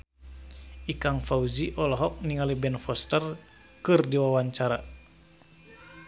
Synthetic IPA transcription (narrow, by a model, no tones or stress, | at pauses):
ʔikaŋfauziʔɔlɔɦɔk̚niŋalibɛnfɔst̪ər | kɨrdiwawaɲt͡ʃaɾa